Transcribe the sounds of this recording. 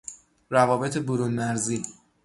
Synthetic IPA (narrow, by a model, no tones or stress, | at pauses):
ɾævɒːbe̞t̪ʰeboɾunmæɾziː